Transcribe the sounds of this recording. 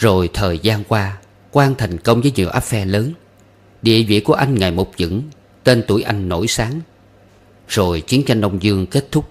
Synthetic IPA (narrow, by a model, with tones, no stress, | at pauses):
zo˨˩jt̪ʰəː˨˩jzaː˧nkwaː˧ | kwaː˧nt̪ʰa˨˩jŋ̟kə˧wŋ͡mvəː˨˦jɲi˨˩əwʔaː˦˥p̚fɛ˧ləː˨˦n | ɗḭ˧˨əvḭ˧˨ku˧˩əʔa˧jŋ̟ŋa˨˩jmo˨˩p̚zɨ̰˧˥ŋ | t̪e˧nt̪u˧˩əjʔa˧jŋ̟no̰˧˩jsaː˨˦ŋ | zo˨˩jt͡ɕi˨˦ənt͡ɕa˧jŋ̟ɗə˧wŋ͡mzɨ˧əŋke˦˥t̚t̪ʰʊ˦˥k͡p̚